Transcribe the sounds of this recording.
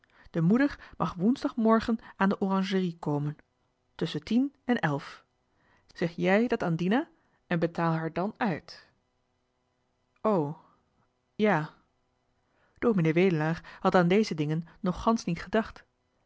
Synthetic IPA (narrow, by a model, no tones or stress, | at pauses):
d̥əmudəɹmʔɑχʋunzdɑχmɔɹχənʔaːndəʔorɑŋʒərikowmən | tɵsəntinɛnʔɛlˠf | z̥ɛχjɛjdɑtaːndinaː | ʔɛnbətaːlˠɦaːɹdɑnœɥt | ow | jaː | d̥oːmineːʋejdəlaːχhɑtaːndejzədɪŋənːɔχːɑnsnitχədɑχt